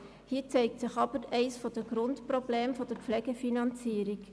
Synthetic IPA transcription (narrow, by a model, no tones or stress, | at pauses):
hiːt͡sɛɪk̚tsɪχɑbəɾɛɪsfodəɡrʊntprobleːmfodəp͡flɛɡ̥əfinɑnt͡siːɾɪk